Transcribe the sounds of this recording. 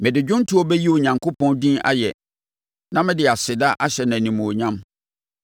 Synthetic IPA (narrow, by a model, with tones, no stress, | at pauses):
mɪ̃˨dɪ˨d͡ʑᶣʊ̃˦n˦tʰʊ˦ɔ˦bɛ˦ji˦o˨ɲã˨ŋkʰo˦pʰɔ̃˦ndĩː˦ʔa̰˦jɛ˨ | nã˦mɪ̃˦dɪ˨a˨sɪ˨da˦ʔa˦ɕɛ˨nã˨nĩ˨mũ˨o˨ɲã˦m